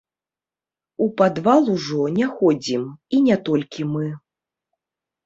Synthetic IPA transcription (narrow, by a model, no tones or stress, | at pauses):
upad̪valˠuʐɔnʲɛxɔd͡zʲiminʲɛt̪ɔlʲkʲimɨ